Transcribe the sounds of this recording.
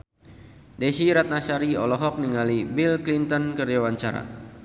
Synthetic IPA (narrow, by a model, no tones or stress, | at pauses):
dɛsiɾat̪̚nasaɾiɔlɔɦɔk̚niŋalibilklint̪ɔnkərd͡ʒawaɲt͡ʃaɾa̰